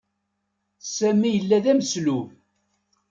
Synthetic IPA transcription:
sæmːijəlːæðæmsluv

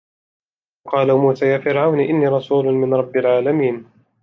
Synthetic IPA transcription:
qɑːlamuːsaːjaːfɪɾʕawniʔɪnːiːɾˤɑsuːlʊmɪnɾˤɑbːɪlʕaːlamiːn

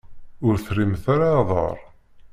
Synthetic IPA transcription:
ʊɾθrimθaɾaðˤə̰ɾˤ

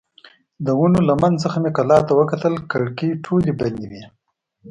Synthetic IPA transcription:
d̪əwunolamanzəxmekalɑt̪awəkat̪əlkaɽkiʈʰoliband̪iwi

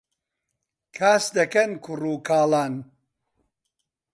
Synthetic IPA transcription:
kʰaːsd̪ɐkɐnkʰuruːkʰaːlaːn

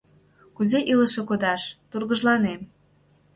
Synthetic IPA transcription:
kuzeʔiləʃĕkod̪ɑʃt̪urɣəʒlɑnem

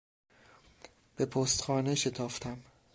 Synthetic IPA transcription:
b̥e̞pʰoːst̪xɒːneʃe̞t̪ʰɒːft̪ʰæm

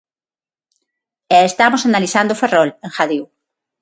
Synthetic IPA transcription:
eest̪amosanaliθand̪oferoleŋxaðiw

